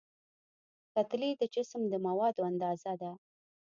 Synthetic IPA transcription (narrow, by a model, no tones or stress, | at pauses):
kat̪lid̪əd͡ʒɪsmd̪əmawɑd̪oand̪ɑzad̪a